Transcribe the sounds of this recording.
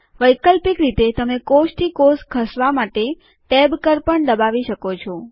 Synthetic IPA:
ʋəjkəlpikɾit̪et̪əmekosʈ̪ʰikoskʰəsʋamaʈe | ʈɛbkəɾpəɳd̪əbaʋiʃəkot͡ʃʰɔ

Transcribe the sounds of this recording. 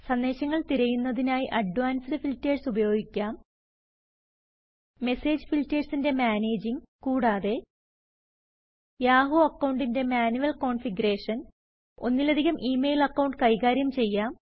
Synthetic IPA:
sɐnd̪e̞ːɕɐŋːɐɭt̪iɾɐjunːɐðinaːjiʔɐɖʋaːnsɨðɐfilteːrsubɐjo̞ːɡikʲːaːm | me̞se̞ːd͡ʑfiltːeːɖsinde̞maːne̞ːd͡ʑiŋkuːɽaːðe̞ | jaːɦuɐkːɐwɳɖinde̞maːnuʋɐlko̞ːɳfiɡuɾe̞ːʂɐn | o̞̰nːilɐd̪ʱiɣɐmʔiːmejilɐkːɐwɳɖkɐjɣaːɾjɐmt͡ɕe̞jːaːm

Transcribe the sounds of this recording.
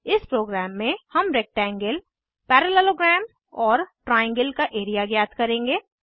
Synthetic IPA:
ɪspɾoːɡɾɛːmːẽhɐmɾek̚ʈɛ̃ːŋɡəl | pɛːɾəlɛloɡɾɛːm | ɔːɾʈɾaːjə̃ŋɡəlkaʔeːɾijaɡjaːd̪kɐɾẽːŋɡeː

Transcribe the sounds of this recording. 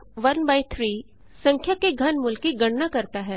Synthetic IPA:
ʋɐnbaːɪt̪ʰɾiː | sɐ̃ŋkʰjakeɡʱɐnmʊlkiɡɐɽnakɐɾt̪aɦɛː

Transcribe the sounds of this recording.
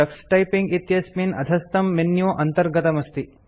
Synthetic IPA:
ɐksʈɐjpiŋɡit̪jɐsmiːnɐ̰d̪ʱɐst̪ɐmːenjoːʔɐnt̪ɐɾɡɐt̪ɐmɐst̪i

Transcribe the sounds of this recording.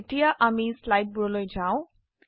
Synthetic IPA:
eʈijaʔamislajʈ̚buɹɔlojd͡ʒʱãʊ̃

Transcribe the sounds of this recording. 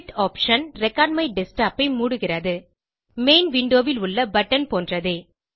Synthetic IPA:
ʈaːpʂɐnɾɛkːaːɖmɐɪɖɛsʈaːpɐɪmuːɽɯɣɪrɐðɯ | meːnʋɪɳɖoːʋɪlʊɭːɐbɐʈːɐnpoːndrɐðɯː

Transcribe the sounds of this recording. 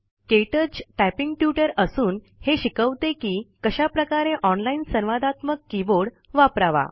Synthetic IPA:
keʈəd͡ʑʈæpiŋɡʈjuʈəɾəsuːn | heɕikəʋt̪ekiːkəɕapɾəkaɾeʔɔnlainsənʋad̪ʱat̪məkːiboɽ | ʋapɾaʋa̰

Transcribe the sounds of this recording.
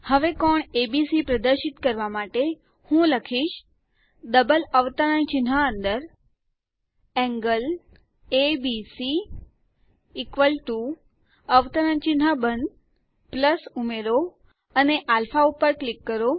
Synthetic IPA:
həʋekɔɳebisipɾəd̪əɾʃɪt̪kəɾʋamaʈe | hũləkʰiʃ | d̪əbələʋt̪əɾənt͡ʃɪnɦaənd̪əɾ | ɛ̃ŋɡəl | ebisi | kʋəlʈu | əʋt̪əɾənt͡ʃɪnɦabənd̪ | pləsumeɾo | əneʔalfaupəɾklikːəɾo

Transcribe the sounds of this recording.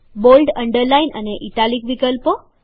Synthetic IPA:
bolɖəɳɖəɾlainə̰neʔiʈalikʋikəlpo

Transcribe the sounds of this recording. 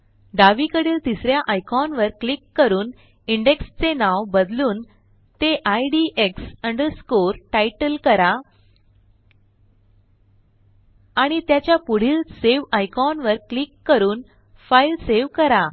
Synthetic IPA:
ɖaʋikəɽiːlt̪isɾjaʔajkʰɔnʋəɾklikːəɾuːn | iɳɖekst͡senaʋbəd̪luːn | t̪eʔajɖieksəɳɖəɾskoɾʈajʈəlkəɾa | ɽ̃it̪jat͡ɕjapuɽ̤iːlseʋajkʰɔnʋəɾklikːəɾuːn | failseʋkəɾa

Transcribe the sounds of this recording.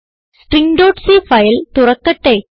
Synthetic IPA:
ʈriŋɖoːʈsifɐjlt̪urɐkːɐʈːe

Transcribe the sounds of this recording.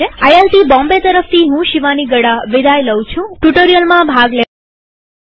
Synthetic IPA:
eajelʈibɔ̃mbet̪əɾəft̪ʰiɦũʃiʋaniɡəɽaʋid̪ʱajləwt͡ʃʰũʈuʈoɾijəlmãbʱaɡle

